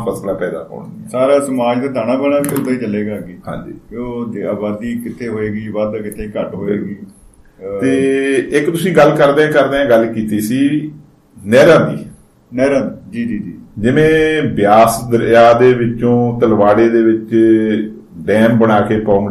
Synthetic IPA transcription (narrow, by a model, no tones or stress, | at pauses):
pʰəslãːpɛːd̪a̰ːkɔ̰ːɳd̪iːsaːɾaːsəmaːd͡ʒd̪aːd̪aːnãːbənaːkd̪aːiːt͡ʃəleːɡaːɡiːɦã̰ːɲd͡ʒḭːoːd̪aːbaːd̪iːkɪt̪ʰːeːɦoːeːɡiːʋad̪kɪt̪ʰeːkəʈɦoːeːɡiː | t̪eːɪkt̪ʊsĩːɡəlːkəɾd̪eɛ̃ːkəɾd̪eːãːɡəlkiːt̪iːsiː | nɛːɾãːnd̪iː | nɛːɾãːnd̪id͡ʒiːd͡ʒiːd͡ʒiːd͡ʒɪʋẽːbjaːsd̪əɾjaːd̪eːʋɪt͡ʃõːt̪əlʋaːɽeːd̪eːʋɪt͡ʃ | ɖɛːmbəɽaːkeːpɔ̃ːŋ